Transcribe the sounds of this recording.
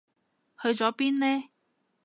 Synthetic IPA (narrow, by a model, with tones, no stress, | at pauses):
hɵ˧ɥt͡sɔː˨˥piː˥nlɛː˥